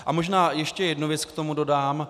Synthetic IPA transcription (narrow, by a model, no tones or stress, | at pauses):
ʔʔamo̞ʒnaːjɛʃcɛjɛdnuvjɛt͡skt̪o̞mudo̞daːm